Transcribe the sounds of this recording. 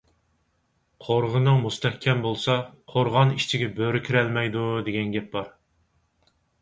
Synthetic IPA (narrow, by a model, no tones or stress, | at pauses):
qʰoɾʁənɨŋmust̪ʰɛhkʲʰɛmbolˠsɑqʰoɾʁɑniʃt͡ʃʰiɡʲɛbøɾɪkʲʰiɾɛlmɛjd̪ud̪eɡʲɛnɡʲɛp̚bɑɾ